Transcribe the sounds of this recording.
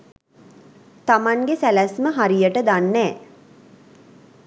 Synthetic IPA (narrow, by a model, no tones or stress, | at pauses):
t̪amaŋɡesælæsməɦaɾijəʈəd̪anːɛː